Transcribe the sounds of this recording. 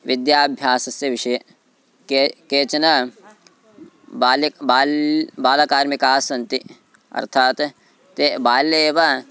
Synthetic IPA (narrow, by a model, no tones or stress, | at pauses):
ʋɪd̪jaːbʱjaːsɐseʋɪʃɐje | kːkeːt͡ʃɐnɐ | baːlbaːlbaːlɐkaːɾmikaːsɐnt̪i | ɐ̰ɾt̪ʰaːt̪ | t̪ebaːleːʋɐ